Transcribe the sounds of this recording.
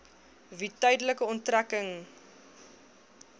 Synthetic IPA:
vitœjdələkəɔntrækəŋ

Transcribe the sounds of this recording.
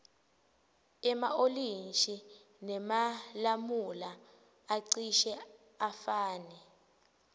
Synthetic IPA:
ɛmaolint͡ʃʼi | nɛmalamulaː | ǀiʃɛ | afaːnɛ

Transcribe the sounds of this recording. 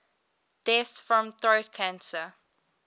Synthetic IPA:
d̥ɛsfɹɔ̃mθɹot̚kʰãnsə

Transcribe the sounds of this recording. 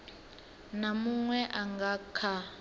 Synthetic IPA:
namuŋwɛʔaŋɡakʰa

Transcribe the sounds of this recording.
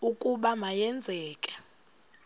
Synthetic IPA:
ukʼuɓamajɛnd͡zʱɛːkʼɛ̥

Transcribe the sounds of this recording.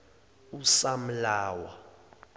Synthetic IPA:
usam̩laːwa

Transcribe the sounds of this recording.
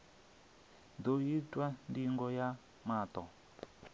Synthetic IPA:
doitʼwandiŋɡɔja | maːtɔ

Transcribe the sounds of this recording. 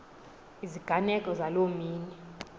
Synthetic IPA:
iziɡ̥ʱanɛkʼɔzalomiːnɛ

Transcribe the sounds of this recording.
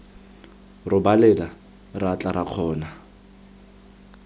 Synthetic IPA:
rʊbalɛla | rat͡ɬʼaɾaq͡χʰɔːna

